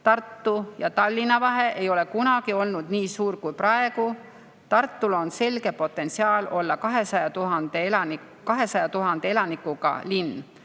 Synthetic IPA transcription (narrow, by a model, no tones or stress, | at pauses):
t̪ɑrt̪ːujɑt̪ɑlʲːinɑvɑɦe̞ʔe̞jo̞le̞kunɑɡ̥io̞lnud̪̥niːsuːɾkujprɑe̞ɡ̥u | t̪ɑrt̪ˑːulo̞nse̞lɡ̥e̞po̞t̪ːˑe̞nt̪siɑːlo̞lːɑkɑɦe̞sɑjɑt̪uɦɑnd̪̥e̞elɑni | kɑɦe̞sɑjɑt̪uɦɑnd̪̥e̞e̞lɑnikːuɡ̥ɑ̰linː